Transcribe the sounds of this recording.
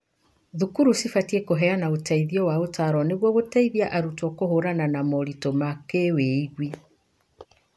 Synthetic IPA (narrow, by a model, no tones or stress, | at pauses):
ðukuɾusifatiekoɦɛanaotaiðiɔwaotaɾɔneɣwɔɣotaiðiaʔaɾutɔkohoɾananamɔɾitomakeweiɣwi